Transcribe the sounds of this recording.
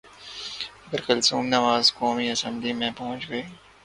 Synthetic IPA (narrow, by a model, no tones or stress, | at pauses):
ɐɡəɾkɐlsuːmnɐʋaːzkoːmiɐsə̃mblimẽpɐɦʊ̃t͡ʃɡɐiː